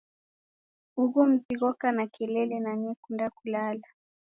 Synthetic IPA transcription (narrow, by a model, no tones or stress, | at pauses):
uɣum̩ziɣɔkanakɛlɛlɛnaɲɛkundakulala